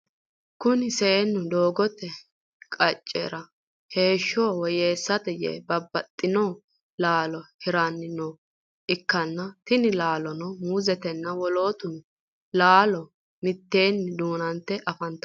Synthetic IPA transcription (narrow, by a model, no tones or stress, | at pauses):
kʊnɪseːnːʊd̪o̞ːɡɔt̪ːɛ | kʼɐt͡ʃʼːḛːɾɐ | he̞ːʃːoːwɔjeːsːɐt̪ɛjḛbɐbːɐt̪ʼːɪnoː | laːlɔhɪɾanːɪno | ʔɪkːɐnːɐt̪ɪnɪlaːlɔnɔmuːzɛt̪ɛnːɐwɔlo̞ːt̪ʊnʊ | laːlɔ | mɪt̪ːe̞ːnːɪd̪uːnɐnt̪ːɛʔɐfɐnt̪ːɐ